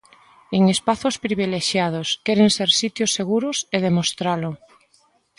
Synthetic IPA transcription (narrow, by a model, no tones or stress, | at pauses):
eŋespaθʊspɾiβ̞ileʃjað̞ʊskɛɾeŋseɾsit̪jʊsːeɣuɾʊseð̞emost̪ɾalʊ